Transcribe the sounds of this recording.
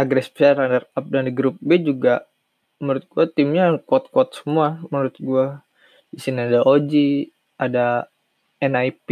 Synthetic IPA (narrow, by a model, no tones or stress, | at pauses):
aɡɾɛspɛɾandərap̚dandəɡɾup̚bed͡ʒuɡa | məɾʊt̪̚ɡ̥uat̪ɪmɲakuat̪̚kuat̪̚sə̥muamənuɾʊt̪̚ɡua | isinadaʔod͡ʒi | ʔada | ɛnajp